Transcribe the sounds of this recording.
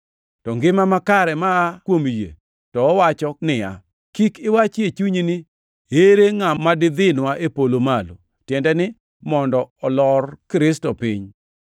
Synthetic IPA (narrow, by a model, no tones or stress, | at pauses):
tɔŋɡɪmamakaɾɛmaːkwomjḛ | tɔːwat͡ʃɔnɪa̰ | kikɪwat͡ʃet͡ʃuɲinɪ | eɾeŋamadɪd̪ɪnwaʔepolomalo̰ | tjɛndɛnɪ | mɔndɔɔlɔrkɾɪstɔpɪɲ